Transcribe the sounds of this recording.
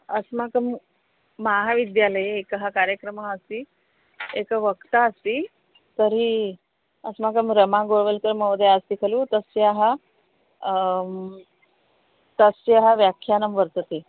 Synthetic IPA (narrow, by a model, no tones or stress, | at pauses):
əsmakəmː | aɦaʋid̪jaləjeekɦakaɾjəkɾəmaəst̪iː | ekəʋəkt̪aːst̪iː | t̪əɾi | əsmak̬əmɾəmãɡoɭʋəlkəɾməwd̪jaəst̪ikʰəluːt̪əsjaɦa | t̪əsjeɦaʋjakʰːjanəmʋəɾt̪ət̪e